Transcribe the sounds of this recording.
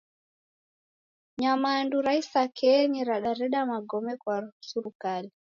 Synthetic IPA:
ɲamaːnduɾaisakʰɛɲiɾaɗaɾɛɗamaɡɔmɛkwasuɾukali

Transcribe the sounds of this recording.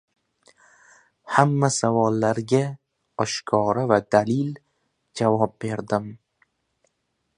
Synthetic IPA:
hamːasavɒlˠːaɾɡʲa | ɒʃkʰɒɾavad̪alɪl | d͡ʒavɒp̚be̞ɾd̪ɪm

